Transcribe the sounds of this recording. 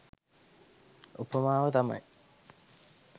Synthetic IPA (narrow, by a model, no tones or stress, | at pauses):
upːəmaːʋət̪ɐmɐ̰i